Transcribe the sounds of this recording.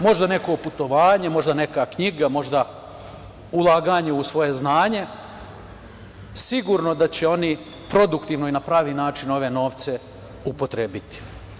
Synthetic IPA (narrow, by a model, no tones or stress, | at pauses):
mo̞ʒd̪ane̞ko̞put̪o̞ʋaːɲe̞mo̞ʒd̪ane̞kakɲiɡamo̞ʒd̪a | ulˠaːɡaːɲeusʋo̞je̞znaːɲe̞ | siɡuɾno̞d̪at͡ɕe̞o̞ni | pɾo̞d̪ukt̪iʋnoinapɾaːʋiːnaːt͡ʃino̞ʋe̞no̞ːʋt̪se̞ | upo̞t̪ɾeːbit̪i̥